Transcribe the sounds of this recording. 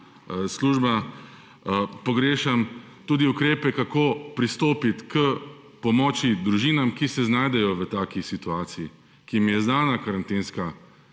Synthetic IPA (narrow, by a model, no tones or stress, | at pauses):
sluːʒba | pɔɡɾeːʃam | t̪uːd̪iukɾeːpɛkakoːpɾist̪oːpit̪kə | pɔmɔt͡ʃid̪ɾuʒiːnamkisɛznaːjd̪ɛjɔʋət̪aːkisit̪uaːt̪siji | kimjɛznaːnakaɾant̪eːnska